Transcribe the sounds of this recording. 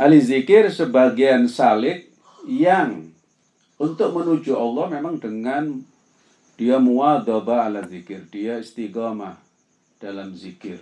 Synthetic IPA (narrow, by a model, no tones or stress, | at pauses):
ʔalizikɪrsəbaɡiansalɪk̪̚ | jaŋ | unt̪ʊk̚mənud͡ʒuʔɔlːɔhmemaŋɖəŋan | d̥iamuad̪ɔbaːlazikɪrd̥iaist̪iɡɔmah | d̥alamzikɪr